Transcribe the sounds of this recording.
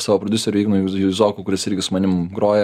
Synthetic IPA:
sɑːʋoːpɾɔd̪ʲʊsʲɛɾʲʊːiɡnuːjjuɪzoːkukʊɾʲɪsɪɾʲɡʲɪsʊmɐnʲɪmɡɾoːjɛ

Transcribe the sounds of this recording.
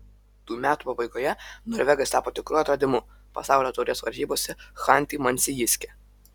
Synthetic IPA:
t̪uːmʲæːt̪uːpɐbɐɪɡojɛnɔːɾʲʋʲɛɡɐst̪ɑːpoːt̪ʲɪkɾuːɐt̪ɾɐd̪ʲɪmʊ | pɐ̰sɑˑʊlʲoːt̪ɔʊɾʲesʋɐɾʲʒʲiːboːsʲɛxɑˑnʲt̪ʲiːmɐnʲsʲɪjɪsʲkʲɛ

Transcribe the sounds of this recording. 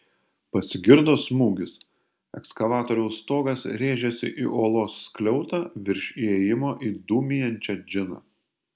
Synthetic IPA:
pɐsʲɪɡʲɪɾd̪oːsmuːɡʲɪs | ɛ̰kskɐʋɑːt̪oːɾʲɛʊst̪oːɡɐsɾʲeːʒʲɛsʲɪ̰ʔḭːʔoːlˠoːsːklʲɛʊt̪ɑːʋʲɪɾʲʃʲiɛjɪmoːʔiːd̪uːmʲɪjɛnʲt͡ʃʲɛd͡ʒʲɪnɑ̰ː

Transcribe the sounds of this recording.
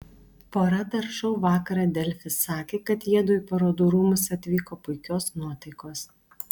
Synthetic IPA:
poːɾɐt̪ɐɾʃɐʊʋɑːkɐɾɑd̪ʲɛlʲfʲɪsːɑːkʲeːkɐt̪jiɛd̪ʊjpɐɾoːd̪uɾuːmʊsɐt̪ʲʋʲiːkoːpʊɪkʲoːsnuɔt̪ɐɪkoːs

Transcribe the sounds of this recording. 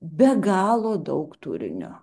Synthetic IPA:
bʲɛɡɑːlˠoːd̪ɐʊkt̪ṵɾʲɪ̰nʲo̰

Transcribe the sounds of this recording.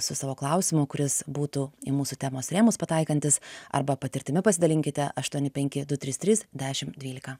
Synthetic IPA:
sʊsɑːʋoːklˠɑʊsʲɪmʊkʊɾʲɪsbuːt̪uːɪmuːsʊt̪ʲæːmoːsɾʲeːmʊspɐt̪ɐɪkɐnʲt̪ʲɪsɐ̰ɾbɐpɐt̪ʲɪɾʲt̪ʲɪmʲɪpɐsʲɪd̪ɐlʲɪŋʲkʲɪt̪ʲɛʔɐʃt̪uɔnʲɪpʲɛŋʲkʲɪd̪ʊt̪ʲɾʲiːst̪ʲɾʲiːsd̪ʲæːʃʲɪmd̪ʲʋʲiːlʲɪkɐ

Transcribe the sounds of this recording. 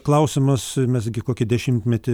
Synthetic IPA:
klˠɐʊsʲɪmɐsmʲɛs̬ɡʲɪkoːkʲɪd̪ʲɛʃʲɪmʲt̪ʲmʲɛt̪ʲɪ

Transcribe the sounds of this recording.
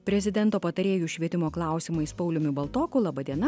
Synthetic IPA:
pʲɾʲɛzʲɪd̪ʲɛnt̪oːpɐt̪ɐɾʲeːjuːʃʲʋʲiɛt̪ʲɪmoːklˠɑˑʊsʲɪmɐɪspɐʊlʲʊmʲʊbɐlˠt̪oːkʊlˠɑːbɐd̪ʲiɛnɐ

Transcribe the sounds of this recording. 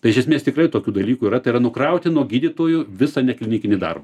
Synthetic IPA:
t̪ɐɪɪʃʲɛsʲmʲeːst̪ʲɪkrɐɪt̪oːkʲuːd̪ɐlʲiːkʊiɾɐt̪ɐɪɾɐnʊkɾɐʊt̪ʲɪnuɔɡʲiːd̪ʲit̪oːjʊʋʲɪsɐnʲɛkʲlʲɪnʲiːkʲɪnʲɪd̪ɐ̰rbɐ

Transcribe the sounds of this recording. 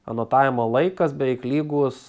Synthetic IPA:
ɐ̰noːt̪ɑːʋʲɪmoːlˠɐɪkɐsbʲɛɪklʲiːɡuːs

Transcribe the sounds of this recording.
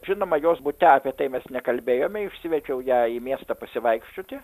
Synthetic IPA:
ʒʲɪnoːmɐjoːsbʊt̪ʲɛɐːpʲiɛt̪ɐɪmʲɛsnʲɛkɐlʲbʲeːjoːmʲɛɪʃʲsʲɪʋʲɛt͡ʃʲɛʊjæːiːmʲiɛst̪ɐpɐsʲɪʋɐɪkʃʲt͡ʃʲoːt̪ʲɪ

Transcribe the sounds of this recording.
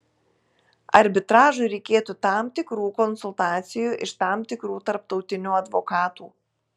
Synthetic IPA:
ɐɾʲbʲɪt̪ɾɑːʒʊɪɾʲɛɪkʲeːt̪uːt̪ɑmt̪ʲɪkɾuːkɔnsʊlˠt̪ɑːt̪sʲɪjuːʔɪʃt̪ɑmt̪ʲɪkɾuːt̪ɐɾp̚t̪ɒʊt̪ʲɪnʲuːɐd̪ʋokɑːt̪uː

